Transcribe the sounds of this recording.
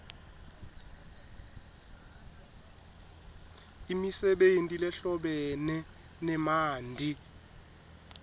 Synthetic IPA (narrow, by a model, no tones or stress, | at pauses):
imisɛɓentʼilɛɬɔɓɛnɛ | nɛmaːndʱi